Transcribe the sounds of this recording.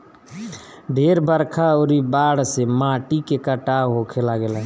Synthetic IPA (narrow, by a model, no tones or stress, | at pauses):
ɖʱeɾbəɾkʰaoɾibaɽsemaʈikekəʈaɦokʰelaɡelɛ̃